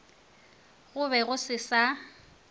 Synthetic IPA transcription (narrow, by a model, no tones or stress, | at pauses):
ɣʊβɛɣʊsɪsa